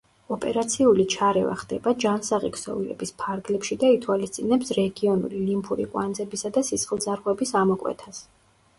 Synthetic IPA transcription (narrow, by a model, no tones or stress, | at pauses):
ɔpʼɛɾat̪sʰiulit͡ʃʰaɾɛva̰χd̪ɛbad͡ʒansaʁikʰsɔ̰vilɛ̰bispʰaɾɡlɛpʃid̪ait̪ʰwalist̪sʼinɛpsɾɛɡiɔnṵlilimpʰuɾḭqʼwa̰nd̪zɛbisad̪asisχʼlˠd̪zaɾʁwɛbisamɔkʼwɛ̰t̪ʰas